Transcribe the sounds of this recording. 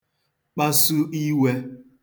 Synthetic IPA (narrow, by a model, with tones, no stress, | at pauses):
k͡pa˦su˦i˦we˦